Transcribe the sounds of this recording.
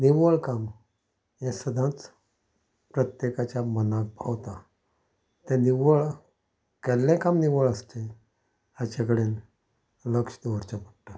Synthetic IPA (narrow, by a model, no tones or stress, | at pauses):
niʋəɭkam | jẽsəd̪ʱãt͡s | pɾət̪jekat͡ɕjamənãk̚pa̰wt̪a | t̪ãniʋəɭ | kɛlːẽkamniʋəɭəst̪e | at͡ɕakəɽen | ləkʂd̪oɾt͡ɕapəʈʈːa